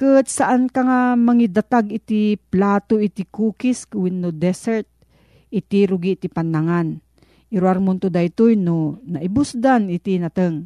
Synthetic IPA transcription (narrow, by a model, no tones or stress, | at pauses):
kət̪saʔankaŋamaŋid̪at̪aɡit̪iplaːt̪oit̪ikuːkiskuwinːod̪ɛsɛɾt̪̚ | it̪iɾʊɡiʔt̪ipanːaŋan | iɾwaɾmʊnt̪ʊd̪ajt̪ojnonaʔibʊsd̪anit̪inat̪əŋ